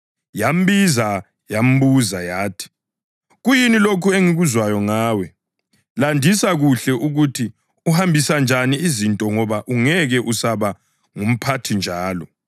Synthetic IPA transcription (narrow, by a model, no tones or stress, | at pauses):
jam̩biza | jam̩buzajaːtʰi̥ | ɣujinilokʰueŋiɣuzwajɔŋaːwɛ | landʱisaɣuɬɛʔuɣutʰi | uhambʱisand͡ʒʱaniizintʼɔŋɔβaʔuŋɛɣɛʔusaβa | ŋum̩pʰatʰind͡ʒʱaːlɔ